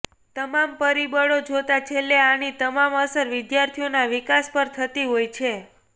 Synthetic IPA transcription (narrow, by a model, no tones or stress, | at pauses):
t̪əmampəɾibəɭod͡ʒot̪at͡ʃʰelːeañit̪əmaməsəɾʋɪd̪jaɾt̪ʰijonaʋikaspəɾt̪ʰət̪iɦojt͡ʃʰe